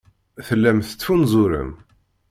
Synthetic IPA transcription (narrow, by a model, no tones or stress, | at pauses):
θəlːæmθə̥t͡sːfunzˤʊɾə̰m